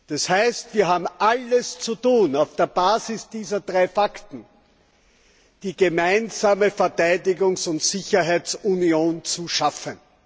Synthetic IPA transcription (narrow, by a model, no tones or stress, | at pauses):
d̥ashæɪstv̥iːɐɦaːbm̩ʔaləst͡sutuːnaʊfd̥eːɐbaːzɪsd̥iːzɐdʁaɪfaktn̩ | d̥iːɡemæɪnzaːməfɛɐtæɪdɪɡʊŋsʊntsɪçɐɦæɪt͡sunjoːnt͡suʃafən